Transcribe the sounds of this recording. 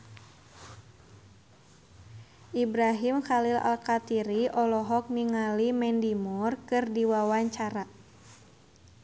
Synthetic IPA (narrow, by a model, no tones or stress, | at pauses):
ʔibɾaɦimxalila̰lkat̪iɾiʔɔlɔɦɔk̚niŋalimɛndimurkɨrdiwawaɲt͡ʃaɾa